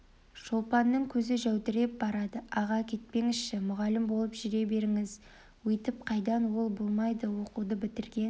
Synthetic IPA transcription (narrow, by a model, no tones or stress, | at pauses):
ʒolˠpɑnːəɴkʲʰɵzɪʒæwt̪ɪɾe̞p̚bɑɾɑd̪əɑʁɑkʲʰe̞t̪̚pe̞ŋɪzʃɪmʊʁɑlɪmbo̞lˠəpʒʏɾe̞be̞ɾɪŋɪz | wɵjt̪ɪp̚qʰɑjd̪ɑnwo̞lˠbo̞lˠmɑjd̪əwo̞qud̪əbɪt̪ɪɾɡʲe̞n